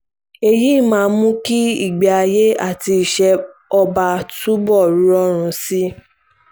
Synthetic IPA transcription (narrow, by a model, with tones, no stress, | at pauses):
e˧ji˦˨mãː˨˧˦mũ˦ki˦i˦˨ɡ͡ba˨a˧je˦a̰˦˨ti˧i˨ʃɛ˧ɔ˧ba˧˨tu˦bɔ˦˨ɾu˨˦ɾɔ˦ɾ̃ũ˨˧si˦